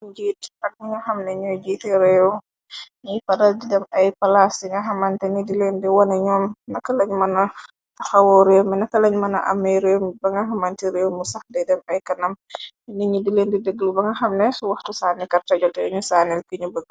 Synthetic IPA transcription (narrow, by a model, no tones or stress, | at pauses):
d͡ʒiːtɐk̚miŋɐxɐmnɛɲɔd͡ʒiːtɛɾɛw | ɲipɐdɐldidɛmɐjpɐlasdiŋɡɐxɐmantɛnidilendɛwɔnɛɲɔːmnɐkːɐlɐɲmɐnɐ | ɐxɐwɔɾewminɐkːɐlɐɲmɐnɐʔɐ̰mːɐjɾewmbɐŋɡɐɦɐmantiɾewmusɐxdɛdɛmɐjkɐnɐm | iniɲudilendɛdɛɡlubɐŋɡɐxɐmnɛsuwɐxtusaːnɛkɐrtɐɟɔtɛɲusaːnɛlkiɲubəkː